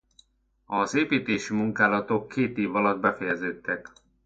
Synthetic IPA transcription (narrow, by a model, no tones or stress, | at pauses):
ɒzeːpiːt̪eːʃimuŋkaːlɒt̪okʰːeːt̪eːvɒlɒd̪̚bɛfɛjɛzɛt̪ːɛk